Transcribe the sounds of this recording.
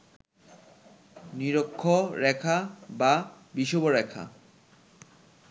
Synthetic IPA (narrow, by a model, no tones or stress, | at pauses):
niɾokʰːoɾɛkʰaba | biʃoboɾɛkʰa̰